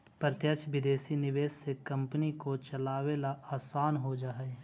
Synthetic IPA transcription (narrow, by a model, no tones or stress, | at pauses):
pəɾt̪jət͡ʃʰʋɪd̪eːsinɪʋeːsːekɐ̃mpnikot͡ʃɐlaːʋelaaːsaːnɦod͡ʒaːɦe